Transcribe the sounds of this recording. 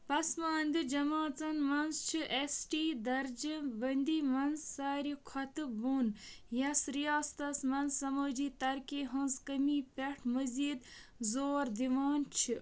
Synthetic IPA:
pɐsmaːnd̪id͡ʒɐmãːt͡sɐnmɐnst͡ʃʰiʔesʈiːd̪ɐɾd͡ʒinbɐnʲd̪iːmɐnzːaːɾikʰɔt̪ɨbuːn | jɐsɾijaːst̪ɐsmɐnzɐməːd͡ʒiːt̪ɐɾkeːɦɐnzkəmiːpʲeʈʰmɐziːd̪ | zoːɾd̪imaːnt͡ʃʰi

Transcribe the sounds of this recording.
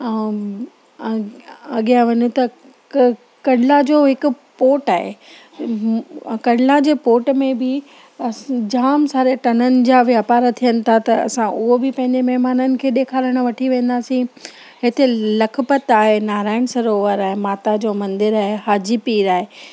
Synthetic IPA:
ɐɠijãʋɐɲũt̪ɐ | kɐɽɪlad͡ʑoːɦɪkʊ̆ | poːʈaːɦḛ | kɐɽɪlad͡ʑeːpoːʈmẽbɪ | d͡ʑaːmsaːɾeʈɐnənɪ̆d͡ʑaːʋɪɦapaːɾat̪ʰijənɪ̆t̪ʰat̪ɐɐ̰sãʊɦobɪpɐ̃ɦɪ̃ɲd͡ʑemɐɦmaːnənɪ̆kʰeːɗ̪eːkʰaːɾəɽ̃ʊ̆ʋɐʈʰiʋẽːnd̪aːsĩ | ɦɪt̪elɐkʰpət̪aːɦenaːɾaːɪɽ̃sɐɾoːʋəɾaːɦemaːt̪ad͡ʑoːmɐ̃nd̪ɪɾaːɦeɦaːd͡ʑipiːɾaːɦe

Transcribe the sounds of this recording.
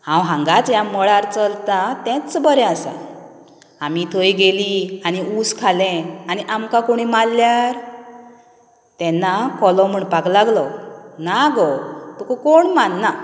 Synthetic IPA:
hãwɦãŋɡat͡sjamɔɭaɾt͡səlt̪at̪ɛ̃t͡sbəɾɛasa̰ | amit̪ʰojɡelianiuskʰalɛ̃aniʔamkakoɽ̃imalːjaɾ | t̪ɛ̃nːakɔlɔ̃m̤əɳpaklaɡlɔnaɡɔt̪ukɔkoɳmanːa

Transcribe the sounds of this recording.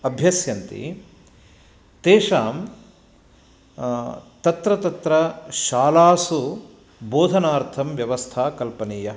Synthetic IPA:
ɐbʱjɐsjɐnt̪ḭ | t̪eːʂaːm | t̪ɐt̪ɾɐt̪ɐt̪ɾɐʃaːlaːsu | boːd̪ʱɐnaːɾt̪ʰɐmʋjɐʋɐst̪ʰaːkɐlpɐniːjɐ

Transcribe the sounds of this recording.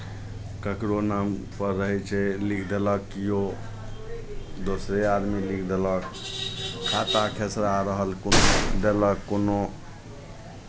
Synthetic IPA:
kəkɾonampəɾɾəɦɛt͡ʃʰɛlikʰd̪eləkːijo | d̪osɾead̪milikʰd̪elək | kʰːat̪akʰesɾaɾəɦəlkod̪eləkːono

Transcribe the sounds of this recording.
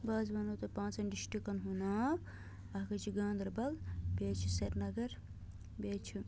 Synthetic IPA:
baːzbɐnot̪ɐpãːnt͡sɐnɖiʃʈikɐnɦunaːb | ɐɦkɐt͡ʃʰiɡãːnd̪ɐɾbɐlbʲeːt͡ʃʰiseɾnɐɡɐɾ | beːt͡ʃʰi

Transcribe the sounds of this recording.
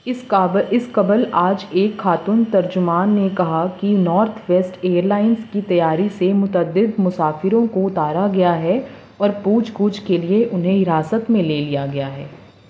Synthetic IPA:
ɪɪskɐbəlaːd͡ʒeːkxaːt̪unt̪ɐɾd͡ʒʊmaːnːekɐɦakinɔːɾt̪ʰʋɛːsʈeːəɾlaːɪnskit̪ɐjaːɾisemʊt̪əd̪ɪd̪mʊsaːfɪɾõkoʊt̪aːɾaɡɐjaɦɛ | ɔːɾpuːd͡ʒkuːd͡ʒkelieʔʊnɦẽɦɪɾaːsət̪mẽleːlijaɡɐjaɦɛː

